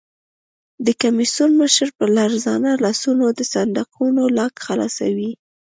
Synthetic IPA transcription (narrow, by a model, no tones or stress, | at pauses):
d̪əkamisunməʃəɾpəɾlaɾzɑnalɑsunod̪əsand̪aqʰunolɑkxalɑ̰sa̰wi